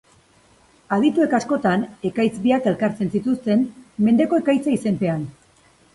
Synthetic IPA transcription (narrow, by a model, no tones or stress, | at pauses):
að̞it̪ue̞kasko̞t̪ane̞kajt͡sbiake̞lkaɾt͡se̞nsit̪ust̪e̞nme̞nd̪e̞ko̞e̞kajt͡saise̞mpe̞an